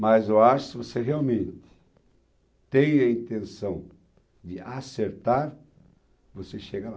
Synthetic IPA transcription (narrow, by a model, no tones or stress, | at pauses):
mɐzoaʃʊ̥sɪvoseɦeawmẽnt̪ɪ̥ | t̪ẽj̃ɐĩnt̪ẽsɐ̃w̃ | d̪ɪaseɾt̪aɾ | voseʃeɡɐla